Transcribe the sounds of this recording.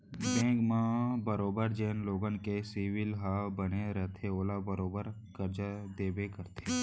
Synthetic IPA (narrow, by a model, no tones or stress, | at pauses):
bɛ̃ːɡmãːbəɾoːbəɾd͡ʒeːnloːɡənkesiːʋɪlɦabəneɾət̪ʰeoːlabəɾoːbəɾ | kəɾd͡ʒad̪eːbekəɾt̪ʰe